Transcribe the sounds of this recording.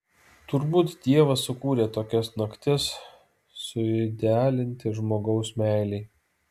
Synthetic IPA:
t̪ʊɾbuːt̪d̪ʲiɛʋɐsːʊkuːɾʲeːt̪oːkʲɛsnɐkt̪ʲɪs | sʊɪd̪ʲæːlʲɪnʲt̪ʲɪʒmoːɡɒʊsmʲæˑɪlʲɛɪ

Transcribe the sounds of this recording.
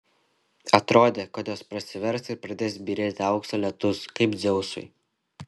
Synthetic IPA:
ɐt̪ɾoːd̪ʲeːkɐt̪joːspɾɐsʲɪʋʲɛɾsɪɾpɾɐd̪ʲeːsbʲiːɾʲeːt̪ʲɪɐʊksoːlʲɛt̪ʊskɐɪpd̪zʲɛʊsʊ̰ɪ

